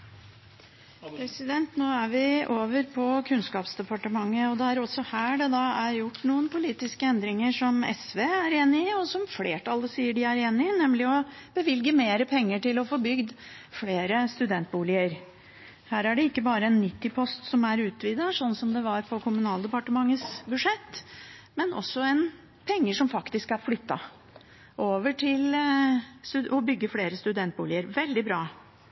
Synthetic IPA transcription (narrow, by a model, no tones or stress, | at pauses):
pʰɾɛsɪd̪ɛnt̪noːæɾʋɪʔoːʋəɾpʰɔkʰʉnskɑːpsd̪ɛpɑʈəmɑŋːəɔd̪ɛæɾɔsːɔhæːɖɛd̪ɑæɾjʊʈːnuːənpʊliːt̪ɪskəɛnd̪ɾɪŋəʂɔmɛ̰sʋeæɾeːnɪɪɔsɔmfleːʈʰɑləsiːəɖɪæɾeːnɪɪnɛmlɪɔb̥əʋɪlɡəmeːɾəpʰɛŋːəʈɪlɔfoːbʏɡd̪ | fleːɾəst̪ʉd̪ɛnt̪̚buːlɪəɾ | hæːɾæɖɛɪkːəbɑːɾəɛnːɪt̪ːɪpʰɔst̪sɔmæɾʉːt̪ʰʋiːd̪ɑʂɔnːsɔmd̪ɛʋɑɾfʰɔkʰʊmʉnɑːld̪əpɑʈəmɑŋːəsbʉʂɛt̪ːmɛnʔɔ̰sːɔɛn | pʰɛŋːəʂɔmfɑkt̪ɪskæɾflʏt̪ːɑ̰ | ʔoːʋəʈʰɪl | st̪ʉɔbʏɡːəfleːɾəst̪ʉd̪ɛnt̪̚buːlɪəɾʋɛld̪ɪbɾɑː